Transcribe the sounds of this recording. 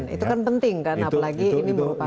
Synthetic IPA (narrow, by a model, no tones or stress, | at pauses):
nḭt̪ukanpənt̪ɪŋkanapalaɡiːniməɾupa